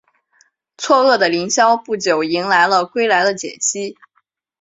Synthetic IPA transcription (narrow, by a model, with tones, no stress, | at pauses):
t͡sʰwɔ˥˧ɤ˥˩d̪ə˩li˧˥ŋɕjɑ˥ʊpu˥˩t͡ɕjo˨˩ʊi˧˥ŋla˧˥ɪlə˧kwe˥ɪla˧˥ɪd̪ə˧t͡ɕjɛ̰˨˩t͡ɕʰi˥